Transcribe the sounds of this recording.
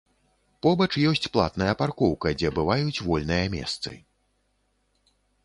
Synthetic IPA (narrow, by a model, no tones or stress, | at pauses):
pɔbɐt͡ʂjɔsʲt͡sʲplˠa̰t̪nɐjɐparkɔwkɐd͡zʲɛbɨvajut͡sʲvɔlʲnɨjɐmʲɛ̰st̪sɨ̰